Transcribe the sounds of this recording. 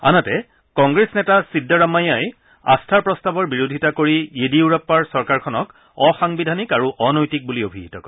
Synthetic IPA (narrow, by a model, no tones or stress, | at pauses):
a̰natɛ | kɔŋɡɹesnɛtasidːaɹamajaj | a̰stʰaɹpɹɔstabɔɹbiɹodʱitakoɹiediuɹapːaɹsɔɹkaɹkʰɔnɔk | ɔxaŋbidʱanikaɹuʔɔnojtik̚buliobʱiɦitɔkɔ